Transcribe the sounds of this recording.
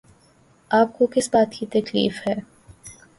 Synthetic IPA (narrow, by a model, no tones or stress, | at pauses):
aːp̚kokɪsbaːt̪kit̪ɐklḭːfhɛː